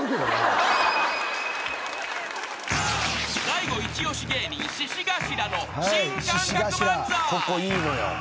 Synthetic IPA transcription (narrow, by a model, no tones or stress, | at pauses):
saiɡo̞it͡ɕio̞ɕiɡeːɲiɕiɕiɡaɕiɾano̞haɕiɕiɡaɕiɾakokoiːno̞jo̰